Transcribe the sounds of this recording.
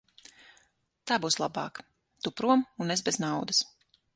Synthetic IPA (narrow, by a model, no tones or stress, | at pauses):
t̪aːbuːslˠabɑ̰ːk | t̪upɾuɔmunɛzbɛznawd̪ɐs